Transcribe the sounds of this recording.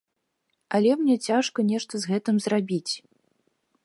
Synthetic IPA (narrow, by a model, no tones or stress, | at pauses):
ɐlʲɛmnʲɛt͡sʲaʂkɐnʲɛʂt̪ɐzɣɛt̪ɨmzrabʲit͡sʲ